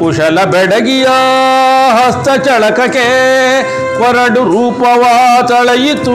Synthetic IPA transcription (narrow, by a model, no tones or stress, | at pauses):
kuʂɐlɐbɛɖɐɡijɐ | ɦɐst̪ɐt͡ʃɐɭɐkɐke | pɐɾɐɖuɾuːpɐʋɐt̪ɐɭɐjit̪ːu